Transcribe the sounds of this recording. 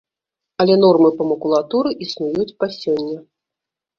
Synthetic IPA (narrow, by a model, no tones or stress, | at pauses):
ɐlʲɛn̪ɔrmɨpɐmɐkulˠat̪uɾɨʔisnujut͡sʲpasʲɔnʲːɐ